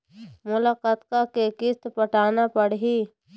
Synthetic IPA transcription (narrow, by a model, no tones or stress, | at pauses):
mʊlaːqaːt̪kakekɪst̪pəʈʰaːnapəɽɦi